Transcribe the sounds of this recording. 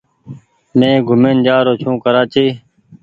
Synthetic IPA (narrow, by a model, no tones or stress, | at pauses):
mẽːɡʱʊmeːnd͡ʒaːɾoːt͡ʃʰũːkəɾaːt͡ʃiː